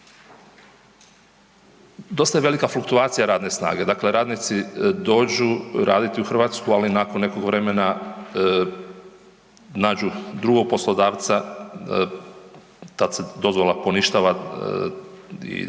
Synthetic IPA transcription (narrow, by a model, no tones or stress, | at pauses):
d̪o̞st̪ajeʋe̞likaflukt̪uaːt̪sijaɾaːd̪ne̞sna̰ːɡe̞d̪akle̞ɾaːd̪nit̪sid̪o̞ːd͡ʑuɾʔa̰ːd̪it̪iuxr̩ʋaːt̪skualinakonːe̞koɡʋɾe̞mena | naːd͡ʑud̪ɾuɡo̞ɡ̚po̞slˠod̪aːʋt̪sa | t̪ad̪sed̪o̞zʋo̞lˠapo̞niʃt̪aʋa | ḭ